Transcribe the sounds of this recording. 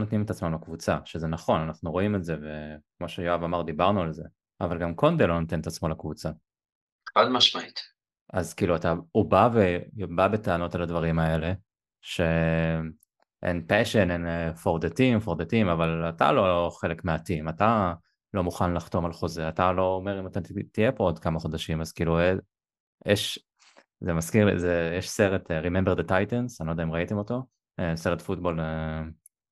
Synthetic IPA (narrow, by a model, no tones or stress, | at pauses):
onotnimet̪at͡smamlakvut͡saʃezenaχo̞nanaχnuʁo̞imetzevekmo̞ʃejoavamaʁd̪ibaʁnualze̞ | avalɡamkʰo̞nd̪elonot̪enetat͡smolakvut͡sa | vadmaʃmait̪ | azkiːluataubavebabet̪eano̞taladvaʁimae̞le̞ | ʃe̞ | ʔḛnpeʃenenfoʁd̪atimfoʁd̪atimavalata̰loχe̞le̞kmeatimata | lo̞muχanlaχto̞malχo̞zeatalo̞ːme̞ʁimatatijepood̪kamaχo̞d̪aʃimazkiːlue | jʔeʃ | zemaskiʁlḭzejɛʃseʁeteʁimembed̪etajtensanodaimʁaitemoto̞ | eseʁetfutbo̞le